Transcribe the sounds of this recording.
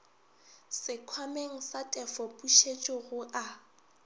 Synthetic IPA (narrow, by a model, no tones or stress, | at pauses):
sɪkʰwameŋ̩satʼɛfɔpʼuʃet͡ʃʼɔɣʊʔa